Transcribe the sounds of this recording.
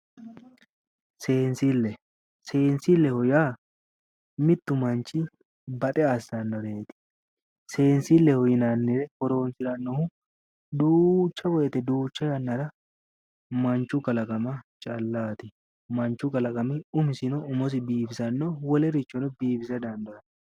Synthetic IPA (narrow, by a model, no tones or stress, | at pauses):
seːnsilːɛ | se̞ːnsɪlːɛhɔjaː | mɪt̪ːʊmɐnt͡ʃːɪ | bɐt̪ʼɛasːɐnːɔɾe̞ːt̪ɪ̥ | se̞ːnsilːɛhɔjɪnanːɪɾɛkɔɾo̞ːnsɪɾɐnːɔhʊ | d̪uːt͡ʃːɐbɔjɛt̪ɛd̪uːt͡ʃːɐjɐnːɐɾɐ | mɐnt͡ʃːʊkɐlɐkʼɐmɐt͡ʃʼɐlːaːt̪ɪ | mɐnt͡ʃːʊkɐlɐkʼɐmɪʊmɪsɪnɔʊmɔs̬ɪbiːfɪsɐnːɔwɔlɛɾɪt͡ʃːɔnɔbiːbɪsɐd̪ɐnd̪ɐɐt̪